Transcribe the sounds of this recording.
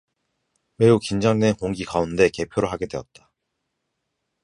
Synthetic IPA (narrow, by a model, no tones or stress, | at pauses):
we̞ukind͡ʑaŋdenkoŋɡikaunde̞ke̞pʰjoɾɯɦaɡe̞dwe̞ʌt̚t͈a